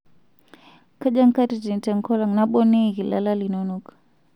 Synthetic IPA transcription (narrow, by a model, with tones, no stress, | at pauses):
ka˦d͡ʒa˦ŋ˦ka˦ti˨di˨ntɛ˨ŋkɔ˦la˨ŋna˦ɓɔ˦nɛ˦˨ɣi˨la̰˦la˦li˨nɔnɔk